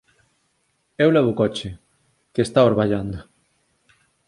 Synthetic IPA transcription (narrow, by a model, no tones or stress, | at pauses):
ɛwlɛβukɔt͡ʃe | kest̪aoɾβaʎand̪o